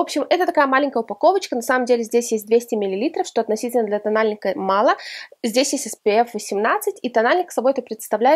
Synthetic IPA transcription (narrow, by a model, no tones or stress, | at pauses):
opɕɪmɛt̪ət̪ɐkajəmalʲɪnʲkəjəʊpɐko̞vət͡ɕkənɐsaməmdʲelʲɪzʲdʲesʲjesʲt̚ʲd̪vʲesʲtʲɪmʲɪlʲɪlʲit̪ɾəfʂt̪o̞ɐt̪nɐsʲitʲɪlʲnəd̪lʲət̪ɐnalʲnʲɪkəmɑlˠəzʲdʲesʲjesʲtʲɛspɨɛfvəsʲɪmnat̪sɨtʲit̪ɐnalʲnʲɪksɐboɛt̪əpɾʲɪt̪st̪ɐvlʲæɪ